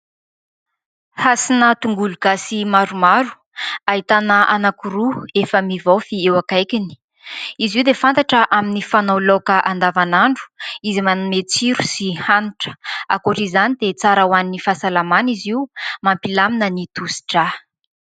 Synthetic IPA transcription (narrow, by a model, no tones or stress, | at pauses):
hasinət̪uŋɡuluɡ̥asimaɾumaɾu̥ | aɦit̪anəʔanakuɾuefəmivofiewakajkʲini̥ | iziwd̪efant̪aʈ͡ʂəʔaminifanawlokəʔand̪avanaɳɖ͡ʐu̥izimanmet͡siɾusihanuʈ͡ʂə̥a̰koʈ͡ʂizanid̪et͡saɾawaninifasalamaniziumampilaminənit̪usi̥ʈ͡ʂa